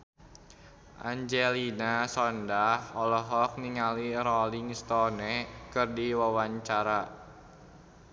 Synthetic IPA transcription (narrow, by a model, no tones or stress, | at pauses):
ʔa̰ɲd͡ʒɛlinasɔndahɔlɔɦɔk̚niŋaliɾɔliŋst̪ɔnekɨrdiwawaɲt͡ʃaɾa